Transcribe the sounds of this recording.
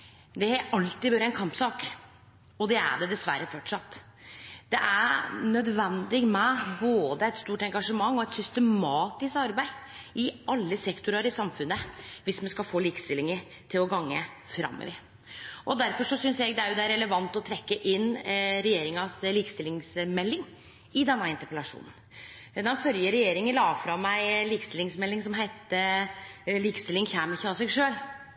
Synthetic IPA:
d̪ɛɑlt̪ːɪbøːɾəɛnkʰɑmpsɑːk | ɔd̪ɛæ̰ɖɛd̪ɛsʋæ̰ɾəfɔʈʂɑt̪ː | d̪ɛʔænœd̪ʋɛnd̪ɪɡmɛboːd̪əɛt̪st̪uːʈɛŋɡɑʂəmɑŋːɔɛt̪sʏst̪əmmɑːt̪ɪskɑɾbæɪ | ɪɑlːəsɛkt̪ʊɾɑɾɪsɑmfʉnːəʋɪsmɛnskɑlfoːliːkə̥st̪ɪlːɪŋəɾ | t̪ʰɪlɔɡɑŋːə | fɾɑ̰mːḛʋɪ | ʔɔd̪æɾfɔʂɔsʏnsjɛɡd̪ɛæɾjʊd̪ɛæɾɛləʋɑnt̪ɔt̪ʰɾɛkːəʔɪnːɾɛjeːɾɪŋɑsliːkəst̪ɪlːɪŋsmɛlːɪŋ | ɪd̪ɛnːəɪnt̪əpəlɑʂṵːnən | d̪ɑnfœljəɾɛjeːɾɪŋəlɑːfɾɑmːæɪliːkəst̪ɪlɪŋsmɛlːɪŋsɔmɦæɪt̪ə | liːkə̥st̪ɪlːɪŋçæːmɪçɑsɛɡʂøːl

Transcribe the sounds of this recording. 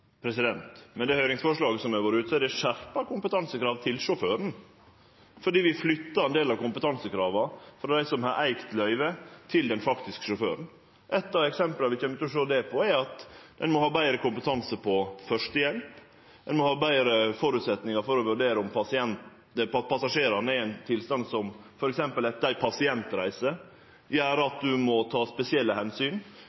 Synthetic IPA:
pʰɾɛsɪd̪ɛnt̪mɛnd̪ɛhœʏɾɪŋsfɔʂɭɑːɡəsɔmæʋoːɾʉːt̪sɛd̪ɛʂæɾpɑkʊmpət̪ʰɑnsəkʰɾɑːʋt̪ʰɪlʂʊføːɾən̩ | fɔɖiːʋɪflʏt̪ːɑɾɛnd̪eːlɑʋkʊmpət̪ʰɑnsəkʰɾɑːʋɑfɾɑd̪æɪsɔmhɑɾʔæɪkt̪lœʏʋət̪ʰɪld̪ɛnfɑkt̪ɪskə̥ʂʊfø̰ːɾən | ʔɛt̪ːɑʋɛksɛmplɑʋɪçɛnmt̪ɔʂøːd̪ɛpʰɔɛɾɑt̪d̪̥ɛnmɔhɑːbæɪɾəkʊmpət̪ʰɑnsəpʰɔfœʂʈəjɛlp | d̪ɛnmɔhɑːbæɪɾəfɔɾʉt̪sɛt̪nɪŋɑɾfɔɾɔʋʉɖeːɾəʊmpʰɑsɪɛnt̪ | pɑt̪̚pʰɑsɑʂeːɾɑnəɛɾæɪnt̪ʰɪlst̪ɑnd̪sɔm | fɔɾɛksɛmpəlɛt̪̚d̪æɪpʰɑsɪɛnt̪ɾæ̰ɪsə | jæːɾəɑt̪̚d̪ʉmɔt̪ʰɑːspɛsɪɛlːəhɛnsyːn

